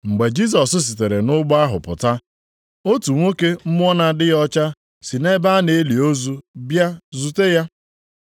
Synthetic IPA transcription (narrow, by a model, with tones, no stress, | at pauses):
ŋ͡m̩˨ɡ͡be˨d͡ʒi˦s̬ɔ˨sʊ˦s̬i˨te˨ɾe˨nʊ˦ɡ͡ba˦ɦʊ̰˨pʊ̰˨ta˦ | o˦tu˨ŋʷo˦ke˦m̩˦mʊ˦ɔ˦na˨dɪ˦jɔ˦t͡ʃa˦ | si˨ne˦ba˦a˦ne˨e˦li˨o˦zu˦bja˦zu˨te˦ja˦